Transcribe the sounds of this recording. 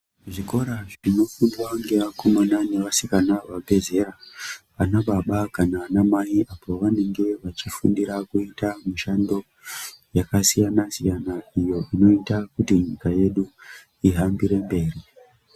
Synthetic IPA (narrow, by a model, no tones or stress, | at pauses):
ʐiko̞ɾaʐrino̞fundwaŋɡeʋakomananeʋasikanaʋabʱe̞ze̞ɾaʋanaɓaɓakanaːnamaiʔapo̞ʋane̞ŋɡe̞ʋat͡ʃifṵndiɾakuitamuʃando̞ | jakasijanasijanaijo̞ʔino̞itakutiɲikaje̞ɗu | iɦambiɾe̞mbe̞ːri